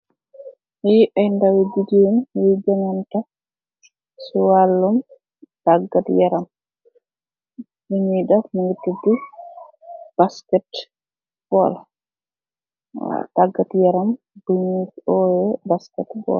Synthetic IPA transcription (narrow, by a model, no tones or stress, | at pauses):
hɛʔajndawdid͡ʒinjid͡ʒaŋanta | suwalːum | taɡːatjɛɾam | buɲidamuŋɡitːudu | b̥askɛt | b̥ɔ̰l | taɡːatjɛɾam | buɲiɔjɛbaskɛtbɔ̰l